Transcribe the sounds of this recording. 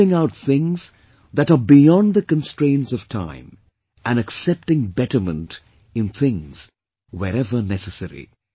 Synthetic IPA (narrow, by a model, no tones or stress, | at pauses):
ɪ̃ŋaʊt̚θɪ̃ŋz̥ | ðæɾəbijɔ̃nðəkə̃nstɹ̥ẽɪ̃ntsʌv̥tʰã̰ɪ̃m | ʔɨ̃nɨksɛp̚tɪ̃ŋbɛʈə˞mə̰̃nt | ɨ̃nθɪ̃ŋz̥ | wɛɾɛvə˞nɛsəsɛɾḭ